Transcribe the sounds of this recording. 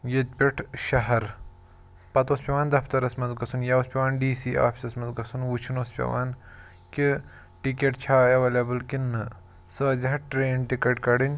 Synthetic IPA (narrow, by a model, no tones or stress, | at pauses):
jet̪̚pʲeʈʰʃɐɦɐɾ | pɐt̪oːspʲɐʋaːnd̪ɐpʰt̪ɐɾɐsmɐnzɡɐsunjaospʲɐʋaːnɖiːsiːʔa̰ːpʰi̥sɐsmɐnzɡɐsunʋut͡ʃʰinoːspʲɐ̰ʋaːn | ki | ʈikeʈ̚t͡ʃʰaːɐʋeːlebɨlkinːɨ | sɐːzʲiɦɐʈɾeːnʈikɐʈkɐɽinʲ